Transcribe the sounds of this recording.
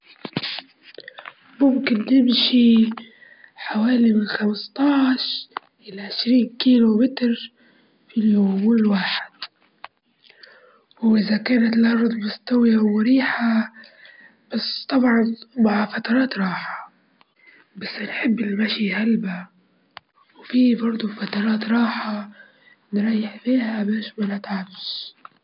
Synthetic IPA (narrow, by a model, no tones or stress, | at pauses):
mʊmkɪnːɪmʃi | ħawaːlimɪnlxamɪst̪ˤɑːʕʃ | ʔɪlaʕɪʃɾiːnkiːlomɪt̪ɾ | filjoːmɪlwaːħɪd̪̥̚ | wʔɪzakaːnat̪lʕɑrˤːd̪ˤmʊst̪awijawɪɾiːħa | b̥ast̪ˤɑbʕɑnmaʕafat̪ɑɾˤɑːt̪ɾˤɑːħɑ̥ | basːnħɪbːɪlmaʃihalba | wfibɑɾˤd̪ˤufat̪ɑɾˤɑːt̪ɾˤɑːħa | nɾˤɑjːɪħfiːhamaʃmɪlat̪ʕabz